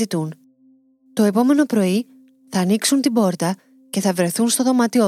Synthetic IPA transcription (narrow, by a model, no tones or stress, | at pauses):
it̪un | t̪o̞e̞po̞me̞no̞pɾo̞i | θɐːniksunt̪ibo̞ɾt̪ɐ | ce̞θɐvɾe̞θunst̪o̞ðo̞mɐt̪i